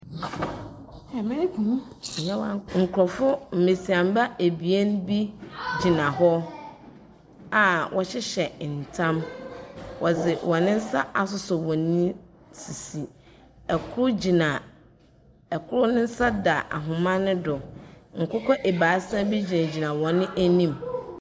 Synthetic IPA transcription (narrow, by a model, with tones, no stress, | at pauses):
ɛ˨mɪ̃˦nɪ̃˦kʰũ˨˦˨ | ɲã˦wa̰˦ŋ̩˨kʰɔ˨fʊ˦m̩˨me˨si˨ã˨m˦ba˦e˨bi˨e˦n˦bi˦d͡ʑi˨nã˨ɦɔ˦ | a˨wʔɔ˨ɕɪ˦ɕɛ˨n̩˨tʰã˦m | wɔ˨zɪ˨wʔɔ̃˨nɪ̃˦n̩˦sa˦a˨s̬ʊ˦sɔ˨wɔ̃˨nĩ˦ | si˨si˨ | ɛ˨kʰʊ˦ɾʊ˦d͡ʑi˨nã˨ | ɛ˨kʰʊ˦ɾʊ˦nʊ̃˦n̩˦sa˦da˨ʔa̰˨ɦʊ̃˨mã˦nʊ̃˦dʊ˨ŋ̩˨kʊ˦kʰɔ˦ʔe˨baː˨˦sã˦bi˦d͡ʑi˨na˨d͡ʑi˨nã˨wɔ̃˨nɪ̃˦ʔæ˦nĩ˦m